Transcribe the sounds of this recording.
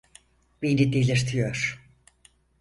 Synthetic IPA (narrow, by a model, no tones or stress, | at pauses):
binid̪elʲiɾt̪ʰijoɾ̥